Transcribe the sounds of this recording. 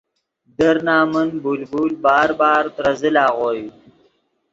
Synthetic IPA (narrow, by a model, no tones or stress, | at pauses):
d̪əɾnaːmənbulbulbaːɾbaːɾt̪ɾɐzəlaːɣoːju